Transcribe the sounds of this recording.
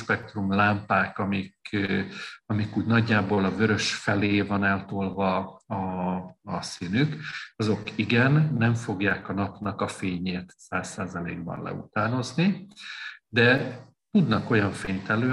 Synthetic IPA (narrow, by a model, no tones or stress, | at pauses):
ʃpɛk̚t̪rumlaːmpaːkɒmik | ɒmikuːɟnɒɟːaːboːlɒvøɾø̞ʃfɛleːvɒnɛlt̪olvɒɒː | sinykɒzo̞kiɡɛnːɛɱfo̞ɡjaːkɒnɒpnɒkɒfeːɲeːt̪saːsːaːzɒlḛːɡ̚bɒ̰nlɛ̰ṵt̪aːno̞zni | d̪ɛ | t̪ud̪nɒko̞jɒɱfeːɲt̪ɛløː